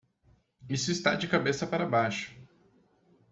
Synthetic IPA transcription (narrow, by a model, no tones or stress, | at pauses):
isʊist̪a̰d͡ʒɪkabesɐpaɾɐbajʃʊ̥